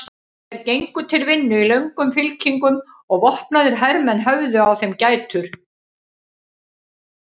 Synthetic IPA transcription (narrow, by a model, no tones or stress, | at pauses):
ɛɾcejŋkʏt̪ʰɪlvɪnːʏilœɥŋkʏmfɪlcʰiŋkʏm | ɔɣvɔht̪naðʏɾ̥ɦaɾmɛnɦœvðʏawθɛmcaːjt̪ʰʏɾ̥